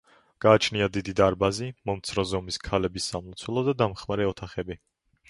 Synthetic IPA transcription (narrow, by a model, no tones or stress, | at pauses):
ɡ̥aːt͡ʃʰniad̪id̪id̪aɾbazimɔmt̪sʰɾɔzɔmiskʰalɛbisːamɔt̪sʰwɛlˠɔd̪ad̪amχmaɾɛɔt̪ʰaχɛbi